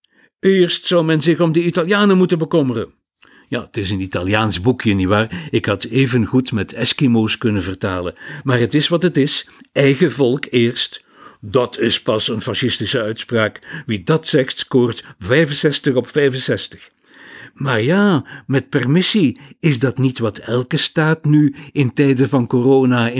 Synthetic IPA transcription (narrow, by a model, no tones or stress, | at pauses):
ɪːrstsʌwmɛnzɪɣɔmdəitaljaːnəmutənbəkɔmərə̰ | ja̰ːətɪsənitaljaːnzbukjəniʋaːrɪkɦɑteːvənɣutmɛtʰɛskimoːskɵnəvərtaːləmaːrɦətɪsʋɑtətɪsɛjɣəvɔlˠkɪːrst | dɑtʰɪspɑsənfɑʃɪstɪsəœɥtspraːkʋidɑtsɛxtkoːrtvɛjvənsɛstəɣɔpfɛjvənsɛstə̥x | maːrjaːmɛt̚pɛrmɪsiɪzdɑtnitʋɑtʰɛlˠkəstaːtnyɪntɛjdəvɑnkoroːnaɪ